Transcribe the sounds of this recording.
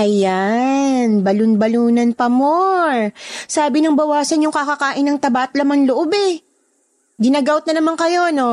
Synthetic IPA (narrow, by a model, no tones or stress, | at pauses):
ʔɐja | nbɐlʊnbɐluːnɐnpɐmo | saːbɪnɐŋbɐwaːsɐnjʊŋkɐkɐkaːʔɪnːɐŋt̪ɐbat̪̚lɐmanloʔobɛ | ɡɪnaːɡawt̪nɐnɐmaŋkɐjo̞no̞